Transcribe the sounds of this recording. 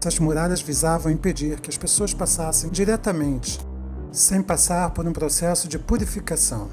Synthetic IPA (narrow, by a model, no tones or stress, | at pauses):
ɐzmuɾad̪ɐzvizavɐ̃w̃ĩped͡ʒiɾkɪɐspesoɐspasasẽj̃d͡ʒiɾɛt̪ɐmẽnt͡ʃɪ̥ | sẽj̃pasaɾpoɾũpɾosɛsʊd͡ʒɪpuɾifikasɐ̃w̃